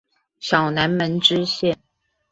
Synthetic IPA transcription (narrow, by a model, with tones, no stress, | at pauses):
ɕjɑ˨˩ʊna˧˥nmə˧˥nʈ͡ʂɻ̩˥ɕjɛ˥˩n